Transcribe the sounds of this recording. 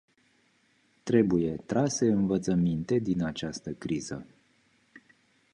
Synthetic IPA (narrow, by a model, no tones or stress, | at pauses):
t̪ɾe̞buje̞t̪ɾase̞ɨnvət̪səmint̪e̞d̪inat͡ʃast̪əkɾiz̥ə̰